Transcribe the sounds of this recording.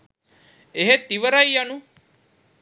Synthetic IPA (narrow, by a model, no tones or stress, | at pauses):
eɦet̪iʋəɾajjanu